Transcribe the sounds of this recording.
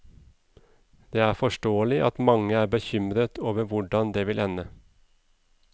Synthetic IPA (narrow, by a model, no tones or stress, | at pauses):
d̪̥eːæːfɔʃʈoːəlɪʔɑt̪mɑŋəæːbəçʏmɾət̪ʰoːʋəʋʊɖɑnd̪eːʋɪlʔɛnə